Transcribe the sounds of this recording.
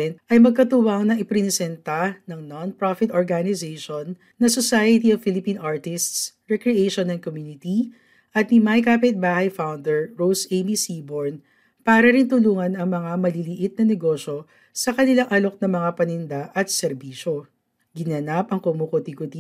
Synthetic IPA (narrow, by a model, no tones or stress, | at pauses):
nʔɐjmɐɡ̚kɐt̪uwɐŋnɐʔɪpɾɛnɪsɛnt̪anɐŋnonpɾafɪt̪ʔoɹɡanɪzeʃonː | ɐsosajɐt̪iɐvfɪlɪpĩːnʔaɹt̪ɪst̪sɹɛkɾɛʔejʃonɐn̚komjuːnɪt̪i | ʔɐt̪̚nimajkaːpɪt̪̚baːhɐjfawnd̪ɛɹɹowsʔejmisiːboɹn | paːɾɐɾɪnt̪ʊluːŋɐnɐŋmɐŋamɐlilɪʔɪt̪̚nɐnɛɡo̞ʃo̞ | sɐkɐnɪlaŋʔɐlo̞k̚nɐŋmɐŋapɐnɪnd̪aʔɐt̪̚sɛɾbiːʃo | ɡɪnɐnapɐŋkomukot̪ikʊt̪i